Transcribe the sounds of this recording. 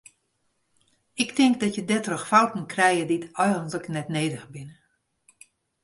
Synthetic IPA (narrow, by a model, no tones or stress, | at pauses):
ɪktɪŋk̚dɔtjədɛtrəxfawtn̩krɛjəditɔjɣəntləknɛtneːdəxəbɪn